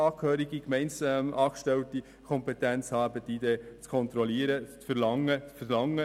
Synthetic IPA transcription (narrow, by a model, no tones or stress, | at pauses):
ɑːkhøːɾiɡikmɛɪnsɑːkʃtɛlti | kʰɔmpɛtænt͡shɑːæbətid̥eːt͡skʰɔnt̪ɾɔliːəɾət͡sfəɾlɑŋːət͡sfəɾlɑŋːə